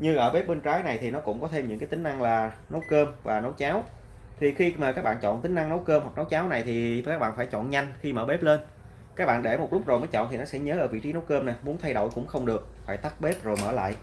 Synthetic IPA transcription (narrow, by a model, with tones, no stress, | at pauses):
ɲɨ˧ʔəː˧˩ɓe˦˥p̚ɓe˧nt͡ɕaː˨˦jna˨˩jt̪ʰi˨˩nɔ˨˦kʊ̰˧˥ŋ͡mkɔ˨˦t̪ʰe˧mɲɨ̰˧˥ŋkaː˨˦jt̪ŋ̟ʔa˧ŋlaː˨˩no˨˦wkəː˧mvaː˨˩no˨˦wt͡ɕaː˨˦w | t̪ʰi˨˩xi˧maː˨˩aː˦˥k̚ɓa̰ː˧˨nt͡ɕɔ̰˧˨nt̪ï˨˦ŋ̟ʔa˧ŋno˨˦wkəː˧mhwa˨˩k̚no˨˦wt͡ɕaː˨˦wna˨˩jt̪ʰi˨˩kaː˦˥k̚a̰ː˧˨nfaː˧˩jt͡ɕɔ̰˧˨nɲa˧jŋ̟xi˧mə̰ː˧˩ɓe˦˥p̚le˧n | kaː˦˥k̚ɓa̰ː˧˨nɗe˧˩mo˨˩t̚lʊ˦˥k͡p̚zo˨˩məː˨˦jt͡ɕɔ̰˧˨t̪ʰi˨˩nɔ˨˦sɛ̰˧˥ɲəː˨˦ʔəː˧˩vḭ˧˨t͡ɕi˨˦no˨˦wkəː˧mna˨˩mu˨˦ənt̪ʰa˧jɗo̰˧˨jkʊ̰˧˥ŋ͡mxə˧wŋ͡mɗɨ˨˩ək̚faː˧˩jt̪a˦˥p̚ɓe˦˥p̚zo˨˩jmə̰ː˧˩la̰ː˧˨jʔ